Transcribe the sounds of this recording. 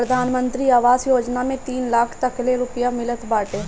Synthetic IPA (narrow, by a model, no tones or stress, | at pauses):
ɾəd̪ʱaːnmənt̪ɾiːaːʋaːzjoːd͡ʒnaːmẽːt̪iːnlaːkʰt̪əkleːɾʊpɪjaːmɪlət̪baːʈeː